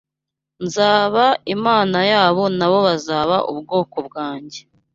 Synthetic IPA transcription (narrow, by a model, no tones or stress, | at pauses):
nzaːβaimaːnajaːβo̞naβo̞βazaːβa̰ʔṵbɡo̞ːko̞b̚ɡaːɲɟe